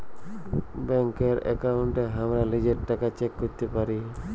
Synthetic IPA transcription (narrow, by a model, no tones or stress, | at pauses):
bɛŋkeɾɛ̰kauɳʈeɦamɾalid͡ʑeɾʈːakat͡ʃekːoɾt̪epaɾi